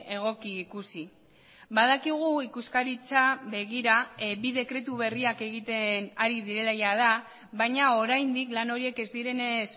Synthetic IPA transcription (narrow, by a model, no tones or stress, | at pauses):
e̞ɣ̞o̞kiːkusi | βað̞akiɣ̞uikuskaɾit͡saβe̞ɣiɾabiðe̞kɾe̞t̪̬uβe̞riake̞ɣ̞it̪enaɾiðiɾe̞lajað̞a | βajɲao̞ɾajnd̪iklano̞ɾie̞ke̞zd̪iɾe̞nes